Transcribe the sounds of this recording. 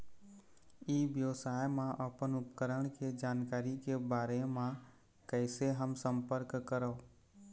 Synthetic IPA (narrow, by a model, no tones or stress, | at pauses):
iːʋjəʋsaːjmãʔəpənʊpkəɾəɽ̃ked͡ʒaːnkaːɾikebaːɾemã | kəɪseɦəmsə̃mpəɾkkːəɾəː